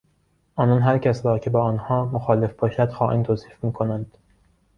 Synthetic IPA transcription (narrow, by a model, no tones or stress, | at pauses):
ʔɒːnɒːnɦæɾcʰæsɾɒːcʰe̞bɒːɒːnhɒːmoxɒːle̞fb̥ɒːʃæd̪̥xɒːʔint̪ʰoːsiːfmiːkʰonænd̪̥